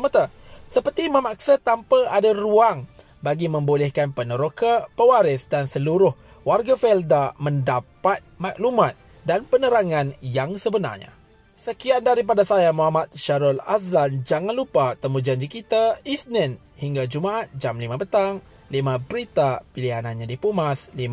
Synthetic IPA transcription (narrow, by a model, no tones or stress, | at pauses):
əmət̪a | səpərt̪iməmak̚sat̪ampəʔadaruaŋ | baɡimə̃mbolɛhkanpənəɾokapəwaɾɪsdansəluɾʊh | warɡafɛldamə̃ndapat̪̚maklumãt̪̚ | danpənəɾaŋãnjaŋsəbəna̰rɲa̰ | səkiandaɾip̬adasajamuɦamat̪̚ʃaɾɔla̰sand͡ʒaŋanlupat̪əmud͡ʒaɲd͡ʒikit̪aisnɛn | hiŋɡad͡ʒumaʔat̪̚d͡ʒamlimãpət̪aŋ | limãbəɾit̪apiliɦanãnɲãdipumaslim